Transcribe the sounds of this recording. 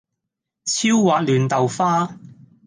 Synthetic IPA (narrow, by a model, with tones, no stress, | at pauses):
t͡sʰiː˥wːaː˨˥k̚lyː˨nt̪ɐ˨wfaː˥